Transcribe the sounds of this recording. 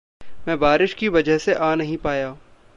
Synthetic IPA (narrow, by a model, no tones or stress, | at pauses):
mɛ̃ːbaːɾɪʃkiʋɐd͡ʒəɦseʔaːnɐɦĩpaːjaː